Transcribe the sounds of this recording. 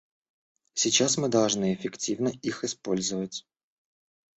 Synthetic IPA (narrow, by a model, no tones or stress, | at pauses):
sʲit͡ɕasmɨd̪ɐlˠʐnɨɪfʲɪktʲivnəʔixɪspo̞lʲzəvətʲ